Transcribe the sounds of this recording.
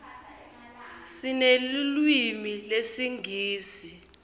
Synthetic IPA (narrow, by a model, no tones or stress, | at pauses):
sinelilwimilesiŋɡʱiːsi